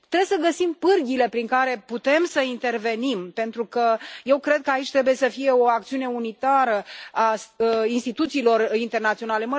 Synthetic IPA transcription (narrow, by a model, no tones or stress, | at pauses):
t̪ɾebesəɡəsimpɨrɡʲile̞pɾiŋkaɾe̞put̪e̞msəint̪e̞rve̞nimpe̞nt̪ɾukəje̞wkɾe̞d̪̚kəait͡ʃʲt̪ɾe̞buje̞səfije̞o̞ak̚t̪siune̞unit̪aɾəasinst̪it̪ut̪siːlo̞rint̪e̞rnat̪sio̞nale̞mə